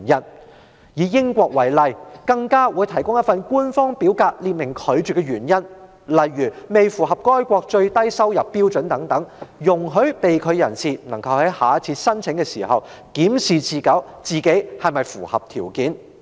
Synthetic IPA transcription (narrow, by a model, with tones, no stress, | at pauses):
jɐ˥n | jiː˨˧jɪ˥ŋkʷɔː˧k̚wɐ˨˩jlɐ˨jkɐ˧ŋkaː˥wuː˨˧˥jt̪ʰɐ˨˩jkʊ˥ŋjɐ˥tfɐ˨nkuː˥nfɔː˥ŋpiː˨˥wkaː˧k̚liː˧t̚mɪ˨˩ŋkʰɵ˨˧ɥt͡ʃyː˨˩kːɛ˧jɥyː˨˩njɐ˥n | lɐ˨jːyː˨˩me˨jfuː˨˩ɦɐ˨p̚kɔː˥jkʷɔː˧k̚t͡ʃɵ˧ɥt̪ɐ˥jsɐ˥wjɐ˨pːiː˥wt͡ʃɵ˨˥nt̪ɐ˨˥ŋt̪ɐ˨˥ŋjʊ˨˩ŋɦɵ˨˥ɥpe˨jkʰɵ˨˧ɥjɐ˨˩nsiː˨nɐ˨˩ŋkɐ˨˧whɐ˨˥jhaː˨˧t͡sʰiː˧t̚sɐ˥nt͡sʰɪ˨˥ŋkɛ˧siː˨˩hɐ˨w | kiː˨˥msiː˨t͡siː˨kɐ˨˥wt͡siː˨ke˨˥jhɐ˨jmɐ˨jfuː˨˩hɐ˨p̚t̪ʰiː˨˩wkiː˨˥n